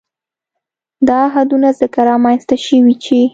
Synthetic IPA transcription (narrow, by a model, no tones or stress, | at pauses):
d̪ɑɦad̪unazəkaɾɑmanst̪aʃəwit͡ʃe